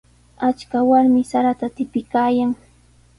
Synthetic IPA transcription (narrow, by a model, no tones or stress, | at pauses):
at͡ʃkawaɾmɪsaɾat̪at̪ɪpɪkaːjaŋ